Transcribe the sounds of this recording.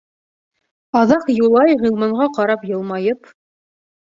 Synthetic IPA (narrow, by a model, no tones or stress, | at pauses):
ɑðɑqjulˠɑjʁɤ̆lˠmɑɴʁɑqɑɾɑpjɤ̆lˠmɑjɤp